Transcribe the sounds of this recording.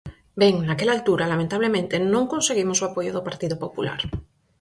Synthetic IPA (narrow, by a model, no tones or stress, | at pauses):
beŋnakelaːlt̪uɾalamẽnt̪aβ̞lemẽnt̪enõŋkonseɣ̞imosoapoʝoðopaɾt̪iðopopula̰ɾ